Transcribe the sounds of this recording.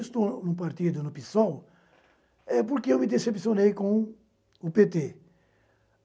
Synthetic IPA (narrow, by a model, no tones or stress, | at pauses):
st̪onʊ̃p̬aɾt̪id̪ʊnʊpisɔw | ɛpoɾkeewmɪd̪esepsionejkõ | ʊpet̪e